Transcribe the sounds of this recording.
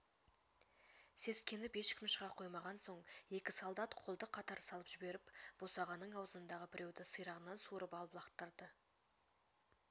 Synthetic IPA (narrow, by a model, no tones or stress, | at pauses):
se̞skʲe̞nɪpe̞ʃkʲʰɪmʃəʁɑqʰo̞jmɑʁɑnso̞ɴje̞kʲɪsolˠd̪ɑt̪qʰo̞lˠd̪əqʰɑt̪ɑɾsɑlˠəpʒ̥ɪbe̞ɾɪpb̥o̞sɑʁɑnːəɴɑwzəənd̪ɑʁəbɪɾʲʔe̞wd̪ɪsəjɾɑʁənɑnsuɾəpɑlˠəplˠɑqt̪əɾd̪ə